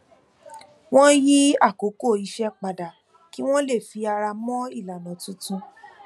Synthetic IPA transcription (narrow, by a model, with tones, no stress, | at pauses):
w̃ɔ̃˦ji˦a˦˨ko˨˦ko˦˨i˧ʃɛ˧k͡pa˨da˨ | ki˦w̃ɔ̃˦le˦˨fi˨˦a˧ɾa˧mɔ̃˦i˦˨la˨nã˨tũ˨˦tũ˧